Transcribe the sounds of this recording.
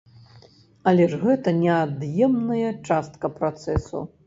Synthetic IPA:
ɐlʲɛʐɣɛt̪ɐnʲɛad̪jɛmnɐjɐt͡ʂast̪̚kɐpɾat̪sɛsṵ

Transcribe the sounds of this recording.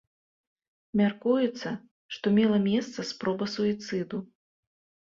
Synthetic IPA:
mʲarkujut̪sːɐ | ʂt̪ɔmʲɛlˠɐmʲɛst̪sɐspɾɔbɐsuit̪sɨd̪u

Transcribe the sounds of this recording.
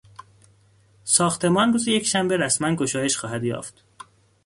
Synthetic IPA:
sɒːxt̪ʰe̞mɒːnruːzeje̞cʰʃæmbeɾæsmænɡo̞ʃɒːje̞ʃxɒːɦæd̪jɒ̰ːft̪

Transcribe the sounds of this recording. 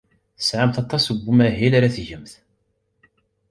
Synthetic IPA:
θə̥sʕamθɑt̪ˤːɑsəbːumæɦilaɾæθʝəmθ

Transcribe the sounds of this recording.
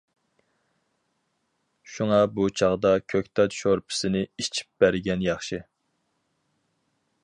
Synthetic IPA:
ʃuŋɑbut͡ʃʰɑʁd̪ɑkʲʰøk̚ʲt̪ʰɑt̪ʃoɾpʰɪ̥sɪnɪit͡ʃʰi̥p̚b̥æɾɡʲɛnjɑχʃɨ

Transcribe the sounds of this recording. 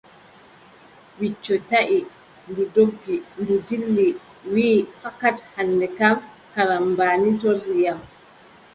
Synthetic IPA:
wit͡ʃːɔtaʔi | ndudoɡːindudilːi | wiːfakathanːdɛkam | kaɾambaːnitoɾːijam

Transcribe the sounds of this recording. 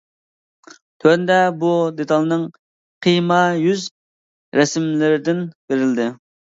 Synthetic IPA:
t̪ʰøɾnd̪ɛbud̪et̪ʰɑlˠnɨŋ | qʰijmɑjyz | ɾɛsmlɪɾɪd̪ɪnb̥eɾɪld̪ɪ

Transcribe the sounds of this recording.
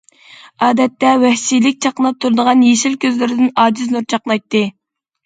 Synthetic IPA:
ɑːd̪ɛt̪ːɛwɛhsijlɪk̚ʲt͡ʃʰɑqənˠɑp̚t̪ʰuɾɨd̪əʁɑnjeʃilkʲʰøzlɪɾɪd̪ɪnɑːd͡ʒiznuɾt͡ʃʰɑqnɑjt̪ːɨ

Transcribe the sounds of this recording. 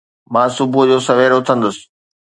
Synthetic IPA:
mãːsʊbʱʊd͡ʑoːsɐʋeːɾʊt̪ʰə̃nd̪əsɪ̥̆

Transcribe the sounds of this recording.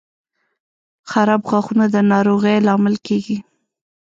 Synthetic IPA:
xaɾɑbɣaxunad̪ənɑɾoɣəjlɑmɪlkeɡi

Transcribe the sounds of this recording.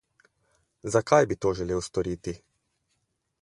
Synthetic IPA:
zakajbit̪oːʒɛleːwst̪ɔɾiːt̪i

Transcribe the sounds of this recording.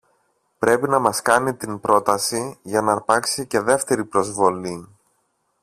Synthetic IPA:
pɾe̞pinɐmɐskɐnit̪inpɾo̞t̪ɐsiʝɐnɐɐɾpɐksice̞ðe̞ft̪e̞ɾipɾo̞zvo̞li

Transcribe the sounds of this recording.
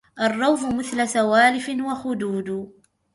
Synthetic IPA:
ʔɑrˤːɑwfʊmɪθlasawaːlɪfɪnwaxʊd̪uːd̪ʊ

